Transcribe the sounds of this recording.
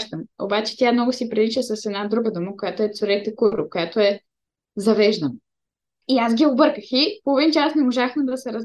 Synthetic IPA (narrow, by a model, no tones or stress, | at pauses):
ʃt̪əmo̰bat͡ʃɛ̥t̪jamnɔɡʊsipɾiliʃəsɐsɛd̪nad̪ɾuɡəd̪oməkojat̪oɛt̪sʊɾɛt̪ɛkuɾokojat̪oɛ | zɐvɛʒd̪ən | iasɡʲiobɤɾkəxipovint͡ʃɛasnɛmoʒaxmɛd̪ɐsɛɾɐz